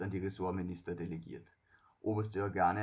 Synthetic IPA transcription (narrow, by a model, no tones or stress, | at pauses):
ɐnd̥iʁeso̝ɐminisd̥ɐd̥e̝leɡ̥ḛɐd̥ˠ | ʔob̥ɐsd̥eɐɡ̥ɑne